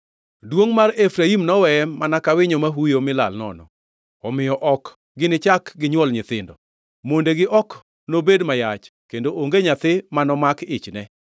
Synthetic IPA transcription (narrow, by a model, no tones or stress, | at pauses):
dwoŋmarefɾaimnɔwɛɛmanakawɪɲomaɦujomɪla̰lnɔ̰nɔ̰ | ɔmɪjɔʔɔk | ɡɪnɪt͡ʃakɡɪɲwɔlɲɪt̪ɪndɔ | mondeɡɪʔɔk | nobedmajat͡ʃkendoʔoŋɡeɲat̪ɪmanɔmakɪt͡ʃnɛ